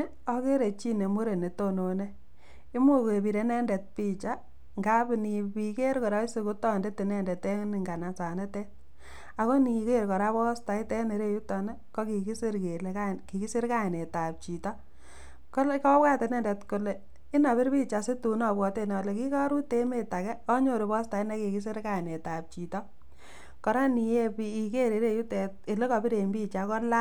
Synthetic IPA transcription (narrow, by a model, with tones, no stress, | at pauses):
ɔ˦ke˦ɾe˨t͡ʃi˦ne˨mo˦ɾe˨ne˨to˦no˨ne˦ | i˦mu˦ke˨bi˨ɾe˨˦nɛ˦ndɛ˨t̚pi˦t͡ʃa˦ | ŋɡa˦bni˨pi˨ke˦ɾkɔ˨ɾa˦i˦se˧ku˦tɔ˦˨nde˦te˨nɛ˦˨ndɛ˨te˦ŋ˦ni˨ŋɡa˨na˨sa˨ne˦tɛ˦t̚ | a˨ko˦ni˨ke˦ɾkɔ˨ɾa˦βɔ˦sta˨i˦tɛ˦ne˨ɾe˦ju˦tɔ˨nɛ˦kɔ˦ki˨ki˦si˦ɾke˨leka˦ki˨ki˦sɪ˦ɾka˦ɪ˨ne˨ta˨p̚t͡ʃi˨tɔ˦ | kɔ˦kɔ˦pka˦tɛ˨nɛ˦ndɛ˨tko˨le˨ | ɪ˦na˨βɪ˦ɾpi˦t͡ʃa˨se˦tu˨nɔ˨bwɔ˨te˦nɔ˨le˨ki˦kɔ˦ɾu˦te˦me˨ta˨kɛ˦ɔ˦ɲo˦˨ɾi˨bɔ˦sta˨i˦nɛ˦ki˨ki˦s̬ɪ˦ɾka˨ɪ˨ne˨ta˨p̚t͡ʃi˨tɔ˦ | kɔ˨ɾa˦ni˨je˦pii˨ke˦ɾe˨ɾe˦ju˦tɛ˨t̚e˨le˦kɔ˨pi˦ɾe˨mbi˦t͡ʃa˨˦kɔ˦la˦